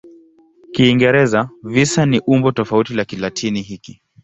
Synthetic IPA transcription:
kiːŋɡɛɾɛzavisaniʔumbɔtɔfautilakilatʰiniɦiki

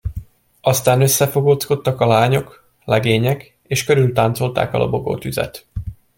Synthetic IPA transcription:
ɒst̪aːnøsːɛfo̞ɡoːt̪sko̞t̪ːɒkɒlaːɲo̞k | lɛɡeːɲɛk | eːʃkøɾylt̪aːnt̪so̞lt̪a̰ːkɒ̰lʔo̰bo̞ɡo̰ːt̪yzɛ̰t̪

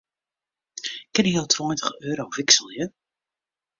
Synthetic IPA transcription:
kɪnəəlˠtʰvɔjntəχøːɾowv̥ɪksəlˠjə

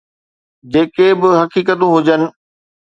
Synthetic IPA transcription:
d͡ʑeːkebɪɦɐkiːk̬ət̪ũɦʊd͡ʑənɪ̆

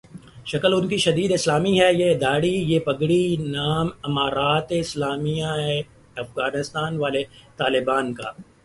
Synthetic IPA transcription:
ʃɐkəlʊnkiʃɐd̪iːd̪ɪslaːmiɦɛjed̪aːɽijeːpɐɡɽinaːmɐmaːɾaːt̪eɪslaːmijae | ɐfɣaːnɪst̪aːnʋaːlet̪aːlɪbaːnka̰ː

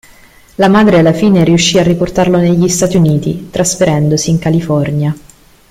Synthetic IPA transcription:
lamaːd̪ɾealːafiːneɾiuʃːiːarːiport̪arloneʎːist̪aːt̪iuniːt̪it̪ɾasfeɾɛnd̪osiːŋkalifɔrnja

